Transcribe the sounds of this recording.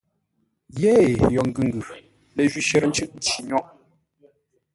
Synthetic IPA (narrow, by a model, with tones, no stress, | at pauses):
je˦˨jɔ˨ŋ̩˦ɡʉ˨ŋ̩˦ɡʉ˨ | lə˨ʒɥi˦ʃɛ˦ɾn̩˦t͡ʃʉ˦ʔn̩˦ti˨ɲɔ˦ʔ